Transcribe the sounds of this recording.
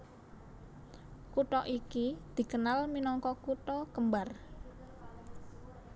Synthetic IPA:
kuʈɔʔikid̪̥i̤kənalminɔŋkɔkuʈɔkəmbar

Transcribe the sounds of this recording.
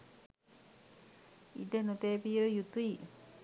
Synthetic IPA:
ḭd̪enot̪eːpijəjut̪ui

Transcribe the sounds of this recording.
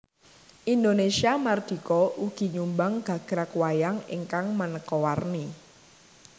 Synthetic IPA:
ʔind̪onesiamard̪̥i̤kɔʔuɡ̥i̤ɲumbaŋɡ̥a̤ɡ̥ɾakwajaŋḭŋkaŋmənəkɔwarni

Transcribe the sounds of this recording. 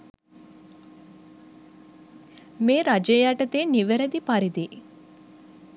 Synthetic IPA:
meːɾad͡ʒejaːʈət̪eːniʋeɾed̪ipaɾid̪i

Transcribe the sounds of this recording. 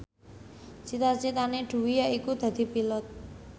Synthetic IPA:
t͡ʃit̪at͡ʃet̪aneɖuwijaʔikud̪̥a̤d̪ipilɔt̪̚

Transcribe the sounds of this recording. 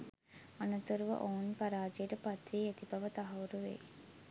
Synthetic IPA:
ɐnɐt̪uɾuʋɐ̰ʔounpɐɾaːd͡ʒejəʈəpɐt̪ɾiːet̪ibɐʋɐt̪ɐɦɐʋuɾuʋḛj

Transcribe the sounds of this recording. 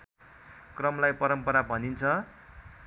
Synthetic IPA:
krʌmlajpʌɾʌmpʌɾabʱʌnint͡sʰʌ

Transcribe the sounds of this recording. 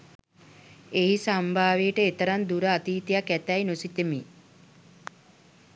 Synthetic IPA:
eɦisambʱaːʋeːʈəet̪əɾand̪uɾəat̪iːt̪ijakæt̪æjnosit̪emi

